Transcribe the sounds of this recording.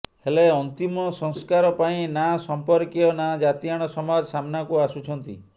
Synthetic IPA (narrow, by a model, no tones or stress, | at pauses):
heleɔnt̪imɔsɔŋskaɾɔpaĩnasɔmpɔɾkjɔnad͡ʒat̪iaɽ̃ɔsɔmad͡ʒsamnakuasut͡ʃʰɔnt̪ḭ